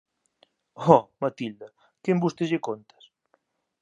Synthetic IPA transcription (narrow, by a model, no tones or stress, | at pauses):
ɔmat̪ild̪ɐ | kembust̪ezʝekont̪ɐ̥s